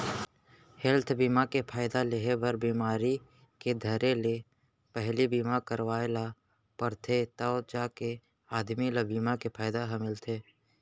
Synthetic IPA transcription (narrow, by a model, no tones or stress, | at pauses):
hɛlt̪ʰbiːmakepʰaːɪd̪aleɦebəɾbiːmaːɾi | ked̪ʱəɾele | pɛɦlibiːmakəɾwaːela | pəɾt̪ʰet̪ad͡ʒaːke | aːd̪milabiːmakepʰaːɪd̪aɦəmɪlt̪ʰeː